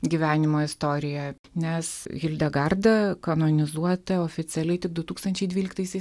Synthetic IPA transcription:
ɡʲiʋʲæːnʲɪmoːɪst̪oːɾʲɪjɛ | nʲɛsɣʲɪlʲd̪ʲɛɡɐrd̪ɐkɐnonʲɪzuɔt̪ɐoːfʲɪsʲɛlʲɛɪt̪ʲɪk̚d̪ʊt̪uːkst̪ɐnʲt͡ʃʲɛɪd̪ʲʋʲiːlʲɪkt̪ɐɪsʲɛɪs

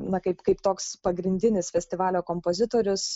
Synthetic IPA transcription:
nɐkɐɪpkɐɪpt̪oːkspɐɡɾʲɪnʲd̪ʲɪnʲɪsfʲɛsʲt̪ʲɪʋɑːlʲoːkompoːzʲɪt̪oːɾʲʊs

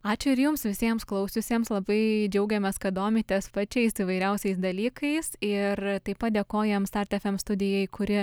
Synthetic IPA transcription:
ɑːt͡ʃʲʊɪɾjʊmsʋʲɪsʲiɛmsklˠɐʊsʲʊsʲeːmslˠɐbɐɪd͡ʒʲɛʊɡʲɛmʲɛskɐd̪oːmʲɪt̪ʲespɐt͡ʃʲɛɪsiːʋɐɪɾʲɛʊsʲɛɪsd̪ɐlʲiːkɐɪsɪrt̪ɐɪpɐt̪̚d̪ʲeːkoːjɛmst̪ɐrʲt̪ʲɛfʲɛmst̪ʊd̪ʲɪjɛɪkʊɾʲɪ

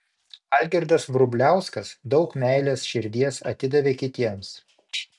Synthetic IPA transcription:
ɐˑlʲɡʲɛɾʲd̪ɐsʋɾʊbʲlʲæˑʊskɐsd̪ɒʊkmʲæˑɪlʲeːsʃʲɪɾʲd̪ʲiɛsɐ̰t̪ʲɪd̪ɐʋʲeːkʲɪt̪ʲiɛms

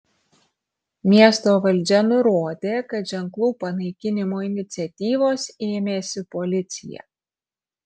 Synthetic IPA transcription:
mʲiɛst̪oːʋɐlʲˑd͡ʒʲɛnʊɾoːd̪ʲeːkɐt̪ʒʲɛŋklˠuːpɐnɐɪkʲɪnʲɪmoːɪnʲɪt̪sʲɛt̪ʲiːʋoːseːmʲeːsʲɪpɔlʲɪt̪sʲɪ̰jɛ̰

